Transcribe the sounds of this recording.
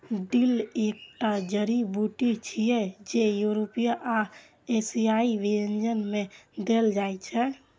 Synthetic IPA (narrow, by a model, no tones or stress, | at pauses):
ɖilek̚ʈad͡ʒəɾibuʈit͡ʃʰijɛd͡ʒejuɾopijaʔa | esiaiʋeend͡ʒənmed̪eld͡ʒajt͡ʃʰɛ